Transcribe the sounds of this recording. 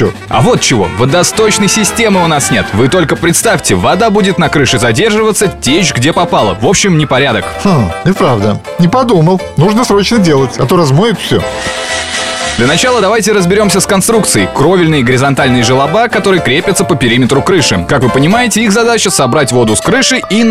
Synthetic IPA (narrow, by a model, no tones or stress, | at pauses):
o | ɐ̰vo̞t̪̚t͡ɕɪvo̞̰vəd̪ɐst̪ot͡ɕnəjsʲɪsʲtʲe̞mɨʊnasnʲe̞t̪vɨt̪o̞lʲkəpɾʲɪt̪st̪afʲtʲɪvɐd̪abudʲɪt̪nɐkɾɨʂɨzɐdʲe̞rʐɨvət̪sːətʲeʑɡdʲe̞pɐpalˠə̰vo̞pɕːɪmnʲɪpɐɾʲad̪ək̩ʲɪpɾavd̪ə | nʲɪpɐd̪uməlˠnuʐnəsɾo̞t͡ɕnədʲelˠətʲɐt̪oɾɐzmojɪt̪fsʲo | d̪lʲənɐt͡ɕalˠəd̪ɐvajtʲɪɾəzbʲɪɾʲo̞msʲəskɐnst̪ɾuk̚t̪sɨɪkɾo̞vʲɪlʲnɨjəɡəɾʲɪzɐnt̪alʲnɨjəʐɨlˠɐbakɐt̪o̞ɾɨjəkɾʲepʲɪt̪səpəpʲɪɾʲimʲɪt̪ɾʊkɾɨʂɨkakvɨpənʲɪmajɪtʲɪixzɐd̪at͡ɕəsɐbɾatʲvo̞d̪ʊskɾɨʂɨji